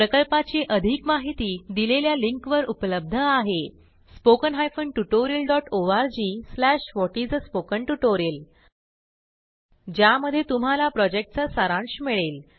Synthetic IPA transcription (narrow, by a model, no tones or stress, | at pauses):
pɾəkəlpat͡ɕiʔəd̪ʱiːkmaɦit̪iːd̪ileljaliŋkʋəɾupləb̚d̪ʱəaɦe | spokənɦajfəɳʈuʈoɾiəlɖɔʈoaɾd͡ʑiːslæʂʋɔʈid͡zspokəɳʈuʈoɾiəl | d͡ʑjaməd̪ʱːjet̪um̤alapɾɔd͡ʑek̚ʈ̚t͡sasaɾãɳɕmiɭel